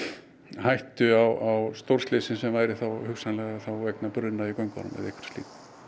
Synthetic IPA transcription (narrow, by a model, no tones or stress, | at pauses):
hajht̪ʏawʔawst̪owr̥slɪːsɪnsɛmvaːjɾɪθawhʏksanlɛɣaθawvɛknapʏɾðɪnaikɔɥŋkva̰nʏ̰mɛ̰ðḛhkvʏ̥st̪ḭːk̪